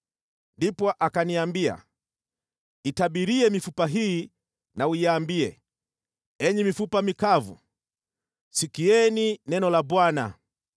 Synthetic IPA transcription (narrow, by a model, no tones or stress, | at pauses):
ndipɔʔakaniambia̰ | itaɓiɾiɛmifupaɦiː | naujaːmbiɛ̰ | ɛɲɛmifupamikavṵ | sikiɛninɛnɔlabwana̰